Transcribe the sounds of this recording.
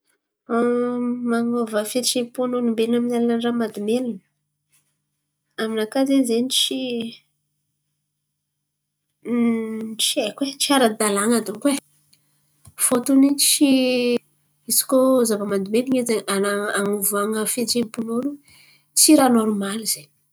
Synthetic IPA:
maŋovəfet͡ʃepunonumbelinaminalnanramad̪umelinə̥ | aminakazezenit͡ʃi | t͡ʃiekwet͡siaɾad̪alaŋad̪oŋkwe | fot̪unint͡ʃi | isi̥kozavəmad̪umeliɲezeanaaŋuvaŋəfet͡ʃepunoɾu | t͡siɾanoɾumaliz̥eɲ

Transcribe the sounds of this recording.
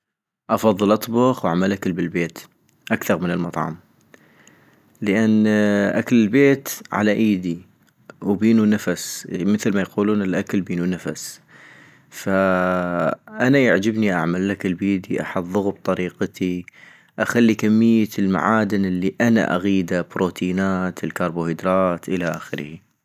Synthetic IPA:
ʔɑfɑðˤːɨlʔɑt̪ˤbʊxwʔa̰ʕmalʔakɪlbɪlbeːt̪ | ʔakθɑɾˤmɪnɪlmɑt̪ˤʕɑ̰m | ləʔanːʔa̰klɪlbeːt̪ʕa̰laʔiːd̪i | wbiːnunafasmɪθlmajquːluːnɪlʔaklbiːnunafa̰s | fa | ʔanajaʕd͡ʒabniʔa̰ʕmalʔakɪlbiːd̪iʔa̰ħɑd̪ðˤʊɣub̚t̪ˤɑɾiːqt̪ʰi | ʔaxalːikamːɪjːalma̰ʕaːd̪ɪnɪlːiʔana̰ʔa̰ɣiːd̪abɾoːt̪ʰiːnaːt̪ʰɪlkɑɾˤboːhɪd̪ɾˤɑːt̪ʔɪlaʔaːxɪɾhi

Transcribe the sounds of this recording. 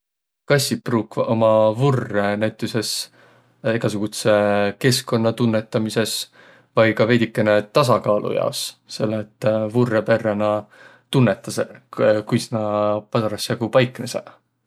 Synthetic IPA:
kɑsʲipruːkvɑʔomɑvurːenæwt̪ːˑuse̞s | eɡ̥ɑsuɡ̥ut̪se̞ke̞sko̞nːɑt̪unːe̞t̪ːˑɑmise̞s | vɑjkɑve̞jd̪ʲikːˑe̞ne̞t̪ɑsɑkɑːlʔṵjɑ̰osse̞̰lːet̪ːˑvurːepe̞rːenɑ | t̪unːe̞t̪ːˑɑsekujsnɑpɑsɑɾɑsjɑɡ̥upɑjkːˑnesḛ

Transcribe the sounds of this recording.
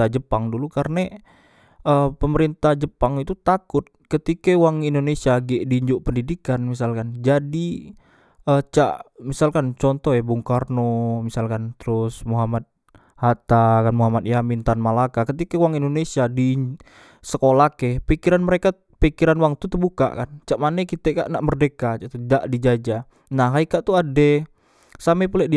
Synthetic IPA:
ad͡ʒəpaŋdulukaɾna | əpəməɾint̪ahd͡ʒəpaŋit̪ut̪akʊt̪̚kət̪ikawaŋindonesiaɡɛʔdiːɲd͡ʒʊʔpəndidikanmis̬alkand͡ʒadi | ət͡ʃa̰ʔmisalkant͡ʃɔnt̪ɔɦjabuŋkarnomisalkant̪əɾʊsmoɦamat̪̚ | hat̪akanmuɦamat̪̚jamint̪anmalakakət̪ikauwaŋindonesiadi | səkolakɛpikiɾanməɾeka | pikiɾanwaŋt̪ut̪ərbuka̰ʔkant͡ʃaʔmanɛkit̪ɛka̰ʔnaʔmərdekat͡ʃat̪udaʔdid͡ʒad͡ʒa | naɦaikaʔt̪uadɛ | samɛpulɛʔdi

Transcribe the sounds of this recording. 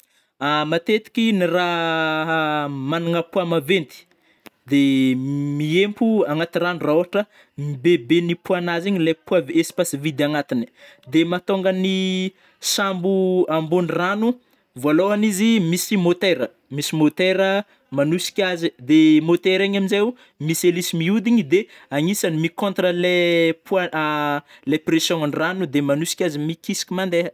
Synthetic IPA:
amat̪et̪i̥kʲiniraɦmanuŋəpuamavend̪i̥ | d̪emiempuaŋat̪iranuraoaʈ͡ʂə | mibebenipuanaziɲilajpuavespasivid̪aŋat̪ini̥ | d̪emat̪oŋɡəni | sambuambuniranu | voalowanizimisimot̪eɾə | misimot̪eɾə | manusi̥kʲazid̪emot̪eɾaɲaminze | miselisimiud̪iɲid̪e | aŋisanimikõnt̪rəlepa | lepresjõanranud̪emanusi̥kʲazimikisi̥kʲimand̪e

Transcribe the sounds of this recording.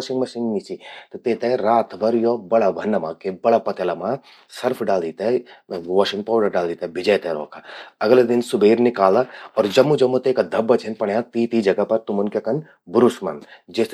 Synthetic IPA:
ʃɪ̃ŋɡmɐʃɪ̃ŋɡnit͡ʃit̪ot̪eːt̪eɾaːt̪ʰbɐɾjoːbɐɽabʱɐnːɐmãkebɐɽapɐt̪ɐlamã | sɐɾpʰɖaːld̪iːt̪aʋɔːʃɪ̃ŋɡ̚paːwɖɐɖaːld̪iːt̪ɐbʱɪd͡ʒɐjt̪eɾɔ̰ːkʰaɐɡled̪ɪnsʊbeːɾnɪkaːlaɔːɾd͡ʒɐmːud͡ʒɐmːut̪eːkad̪ʱɐbːɐt͡ʃʰenpɐɳjat̪iːt̪id͡ʒɐɡapɐɾt̪ʊmʊnkekɐn | bʊɾusmɐ̰nd͡ʒes

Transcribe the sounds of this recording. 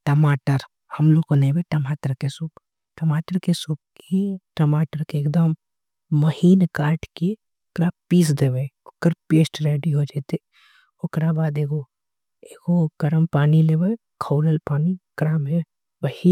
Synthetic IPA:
ʈɐmaːʈəɾ | hɐmloːɡkonẽbeʈɐmaːʈəɾkesuːp | ʈɐmaːʈəɾkesup̚kiʈɐmaːʈəɾkeːkd̪əmː | ɐhiːnkaːɾʈke | okɾapiːs̬d̪eːʋəʊkəɾpeːsʈɾeːɖiɦod͡ʒeːt̪e | okɾabaːd̪eːɡo | eːɡoɡ̥ɐɾəmpaːnileːʋə | kʰoːləlpaːnikɾaːmɦe | bɐhi

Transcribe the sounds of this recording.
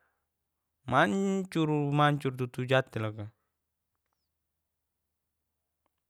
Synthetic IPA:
maɲt͡ʃuɾumaɲt͡ʃuɾt̪ut̪ud͡ʒat̪ːilaka

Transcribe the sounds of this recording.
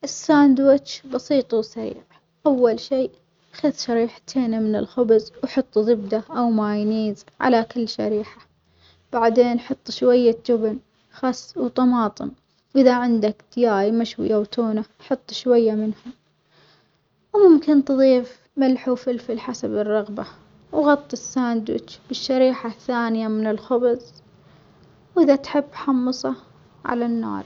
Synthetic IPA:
ʔɪsːand̪wɪt͡ʃbɑsiːt̪ˤwsaɾḭːʕ | ʔawːalʃiː | xaðʃaɾiːħt̪ʰeːnimɪnɪ̰lxʊbzwħɑt̪ˤːðˤɪbd̪aʔawmaːjniːzʕa̰lakɪlːʃa̰ɾiːħa | b̥aʕd̪eːnħɑt̪ˤːʃwajːad͡ʒʊbn | xɑsˤːwt̪ˤɑmɑːt̪ˤɨ̰n | ʔɪðaʕɪnd̪akd̪̥ɪjaːjmaʃwɪ̰jawt̪ʰuːna | ħɑt̪ˤːʃwajːamɪnhʊm | wmʊmkɪnt̪ðˤiːf | malħufɪlfɪlħasabɪrˤːɑɣba | wɣɑt̪ˤːɪsːaːnd̪ʊ̰t͡ʃb̥ɪʃːaɾiːħaθaːnɪjamɪnɪlxʊbzˤ | wʔɪðat̪ħɪbːħɑmːɨsˤɑ | ʕa̰lanːɑ̰ːɾˤ

